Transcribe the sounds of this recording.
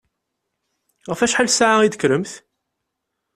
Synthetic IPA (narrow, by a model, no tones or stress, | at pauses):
ʁəfæʃħalsaʕaid̪əkɾəmθ